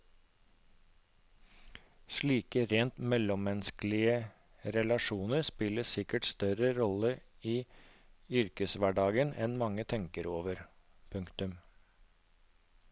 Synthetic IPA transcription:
ʃɭiːkəɾeːnt̪mɛlɔmːɛnskl̩ɪə | ɾɛlɑʂuːnəɾspɪləsɪkəʈst̪œɾəɾɔlə | iː | ʏɾkəsʋæɖɑːɡənɛnmɑŋːət̪ʰɛŋkəɾoːʋəɾ | pʰʉŋkt̪ʉm

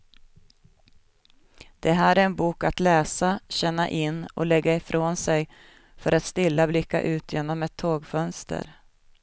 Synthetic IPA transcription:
d̪̥ɛɦæːɾæɾɛnbuːkat̪lɛːsaɕɛnːa̰ʔɪnːɔ̰lɛɡːaɪfɾʔoːnsɛj | fœɾʔat̪st̪ɪlːablɪkːa̰ʔʉ̟ːt̪jeːnɔmɛt̪ʰːoːɡfœnst̪ʰə̰ɾ

